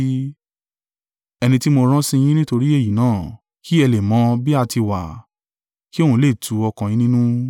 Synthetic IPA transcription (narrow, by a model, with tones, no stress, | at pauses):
ɛ˧nĩ˧ti˦mo˧ɾ̃ã˦sĩ˦˧j̃ĩ˦nĩ˦to˧ɾi˦e˦˨ji˨nãː˦˨ | ki˦ɛ˧le˨mɔ̃˨˦bi˦a˧ti˧wa̰˨ | ki˦o˦hũ˧˦le˨tʰu˨˦ɔ˧kã˨ĩ˨˦nĩ˦nũ˦